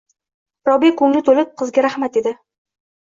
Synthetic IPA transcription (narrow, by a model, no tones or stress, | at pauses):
ɾɒbekʊŋnɪt̪ʰolɪp̚qʰɨzɡʲaɾahmat̪e̞d̪ɪ